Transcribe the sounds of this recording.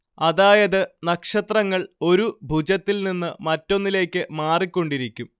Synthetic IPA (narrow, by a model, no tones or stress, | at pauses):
ɐðaːjɐðɨnɐkʂɐt̪rɐŋːɐɭo̞ɾubʱud͡ʑɐt̪ːilninːɨmɐtːo̞nːile̞ːkʲːɨmaːrikʲːo̞ɳɖiɾikʲːum